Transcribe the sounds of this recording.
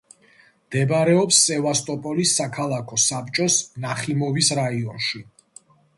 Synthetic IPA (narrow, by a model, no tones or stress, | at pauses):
md̪̥ɛbaɾɛɔpsːɛvast̪ʼɔpʼɔlisːakʰalˠakʰɔsap̚ʼt͡ʃʼɔsnaχimɔvisɾaiɔnʃi